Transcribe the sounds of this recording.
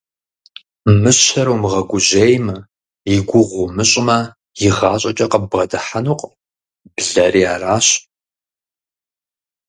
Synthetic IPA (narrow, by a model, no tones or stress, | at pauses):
mɨɕɐɾuwmɨʁɐɡʷʊʑejmɐ | ɪɡʷʊʁʷʊmɨɕʼɪmɐ | jɪʁɑːɕʼɐt͡ʃʼɐqəbʁɐdɨħanuːqʷʼ | b̥ɮɐriːa̰ːraːɕʼ